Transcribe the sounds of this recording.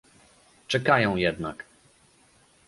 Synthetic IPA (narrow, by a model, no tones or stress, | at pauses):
t͡ʂɛkajɔ̃w̃jɛd̪na̰k